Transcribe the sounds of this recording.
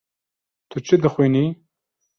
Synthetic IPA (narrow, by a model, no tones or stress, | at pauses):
t̪ʰɨt͡ʃʰɨd̪ɨxwini